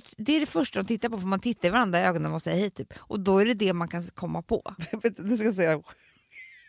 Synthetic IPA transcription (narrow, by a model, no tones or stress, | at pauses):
d̪ɛæɖɛfœʂʈad̪ɔmt̪ʰɪt̪ːaɾpɔfɔmant̪ʰɪt̪ːaɾɪvaɾand̪ɾaøːɡɔnnamansɛjːɾhɛːt̪ʰy̰ːpʔɔd̪ɔæɖɛd̪ɛmankʰankʰɔmːapʰɔ̰veːt̪d̪d̪ɛskajas̬ɛjːaɧɛ